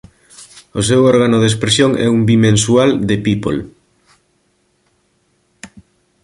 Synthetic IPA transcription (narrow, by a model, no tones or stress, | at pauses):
os̬ewɔɾɣanoðespɾesjoŋɛ̰umbimẽnsuald̪epipo̰l